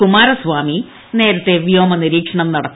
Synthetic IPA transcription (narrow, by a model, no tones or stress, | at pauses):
kumaːɾɐsʋaːmi | ne̞ːɾɐt̪ːeʋjo̞ːmɐniɾiːkʂɐɳɐmnɐɽɐkː